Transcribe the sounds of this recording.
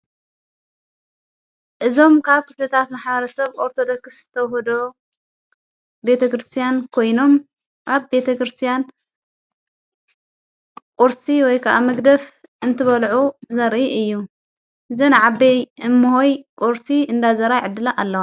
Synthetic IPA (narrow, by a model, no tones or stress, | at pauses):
ʔɨzo̞mkʰaβkʰɨflɐt̪ʰat̪maħbɐɾɐsɐβoɾt̪ʰod̪okɨszɨt̪ʰɐwhod̪o | be̞t̪ʰɐkɾɨst̪ʰijankʰo̞jno̞m | ʔaβbe̞t̪ʰɐkɾɨst̪ʰijan | kʼuɾsiwɔjkʰaʔamɐɡd̪ɐf | ʔɨnt̪ʰɨβɐlʕuzɐɾʔiɨjːu | ʔɨzɐnɨʕabejɨmːuhojkʼuɾsiɨnd̪azɐɾajʕɨd̪ːɨlaʔalːɐwo